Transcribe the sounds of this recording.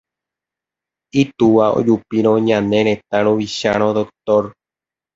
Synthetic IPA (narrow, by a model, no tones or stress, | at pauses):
it̪uʋao̰d͡ʒupiɾõɲãnẽɾ̃ẽ̞t̪ãɾõʋiʃaɾ̃õd̪ok̚t̪oɾ